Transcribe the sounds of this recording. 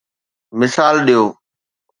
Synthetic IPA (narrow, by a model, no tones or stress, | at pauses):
mɪsaːlɗijoː